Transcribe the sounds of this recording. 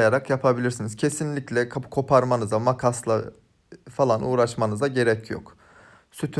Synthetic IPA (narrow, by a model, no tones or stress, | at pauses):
jaɾakjapʰabilʲiɾsiniz̥cʰe̞sinlʲiclʲɛkʰakʰo̞pʰaɾmanɯzamakʰaslˠa | falˠanʔuːɾaʃmanɯzaɟe̞ɾɛcʰjo̰k | syt̪ʰ